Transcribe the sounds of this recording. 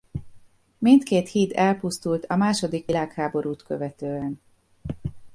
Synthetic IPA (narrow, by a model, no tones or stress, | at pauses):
mint̪keːt̪hiːt̪ɛlpust̪ult̪ʰɒmaːʃo̞d̪ikʋilaːkhaːbo̞ɾuːt̪køvɛt̪øːɛn